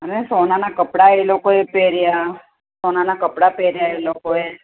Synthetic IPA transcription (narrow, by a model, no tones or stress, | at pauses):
ənesonanakəpɽaelokoepeɾja | sonanakəpɽapeɾjaelokoe